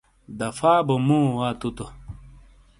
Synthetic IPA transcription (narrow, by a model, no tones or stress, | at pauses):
d̪ɐfaːbomũːwat̪ut̪o